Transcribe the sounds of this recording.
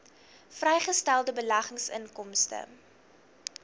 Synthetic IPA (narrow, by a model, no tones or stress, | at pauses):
frɛjχəstælˠdəbəlɐχəŋsə̰nkɔmstə̰